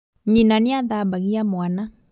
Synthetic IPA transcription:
ɲinaniaðabaɣiamwana

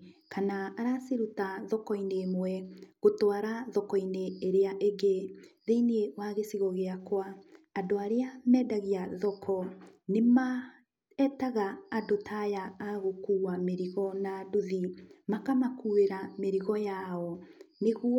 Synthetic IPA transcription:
kʰanaːɾaseɾutaðɔkɔinemwɛɣotwaɾaðɔkɔineːɾeaʔeɡeðeinewaɣesiɣɔɣeakwaːdoaɾeamɛːdaɣiaðɔkʰɔnema | ɛtaɣaːdotʰajaːɣokuːwameɾiɣɔnadoðimakamakuweɾameɾiɣɔjaɔneɣu

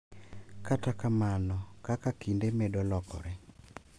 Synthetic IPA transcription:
katakamanɔkakakindemedɔlɔkɔ̰ɾɛ

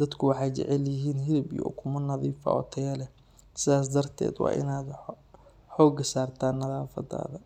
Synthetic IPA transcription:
d̪ɐd̪kʰʊwɑħɑjt͡ʃɛ̰ʕɛljɪɦiːnɦɪɾɪbijɔ̰kʰʊmɐnɐðiːfɐ̰ʔɔ̰ːt̪ʰɛjɐlɛ | sɪðaːs̬d̪ɐrt̪ʰɛ̰ːd̪wɑ̰ːʔɪ̰naːd̪ | ħɔːɡɐsaːrt̪ʰaːnːɐðaːfɐ̰d̪a̰ːðɐ

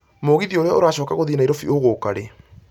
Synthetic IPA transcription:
moɣiðioɾeɔoɾaɕɔːkaɣoðinaiɾɔfioɣokaɾe

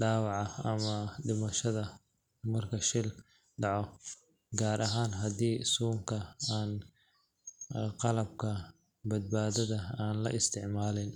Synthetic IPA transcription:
ɖaːwɑʕɑɐmɐɖɪmɐʃɐðɐ | mɐrkʰɐʃɪl | ɖɑʕɔ | ɡaːɾʔɐɦaːnɦɐðiːsuːmkʰɐaːn | qɑlɐb̚kʰɐ | bɐd̪̚baːðɐðɐaːnlɐ̰ʔɪst̪ʰɪʕmaːlɪn

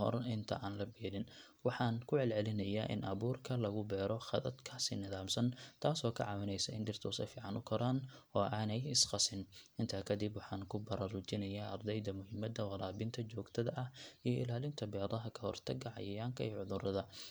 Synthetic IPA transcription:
ɔ̰rɪnt̪ʰɐ̰ʔaːnlɐbiːɾɪn | wɑħɑːnkʰʊʕɛlʕɛlɪnɐjaːʔɪ̰nʔɐβuːrkʰɐlɐɣʊbɛːɾɔχɑðɐd̪kʰaːsɪ̰nɪðaːmsɐnt̪ʰaːsɔːkʰɐ̰ʕɑːwɪnɛjsɐɪnd̪ɪrt̪ʰɔːsɐ̰fiːʕɑnʊkʰɔɾaːnɔːʔaːnɛjɪsqɑsɪnɪnt̪ʰaːkʰɐd̪ɪbwɑħɑːŋkʰʊbɐɾɐrʊt͡ʃɪnɐjaːʔɐrd̪ɛjd̪ɐmʊɦɪmɐd̪ɐwɑɾaːbɪnt̪ʰɐt͡ʃɔːɡt̪ʰɐðɐʔɐhijɔʔɪ̰laːlɪnt̪ʰɐbɛːðˤɐɦɐkʰɐhɔ̰rt̪ʰɐɡɐʕɑ̰jɐjaːŋkʰɐiːʕʊðʊɾɐðɐ

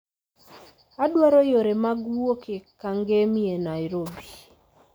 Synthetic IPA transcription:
adwaɾɔjoɾemaɡwokekaŋɡemienaiɾobi

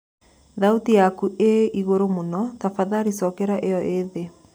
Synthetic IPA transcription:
ðautijakuʔeiɣoɾomonɔtafaðaɾisɔkɛɾaʔeɔʔeðe

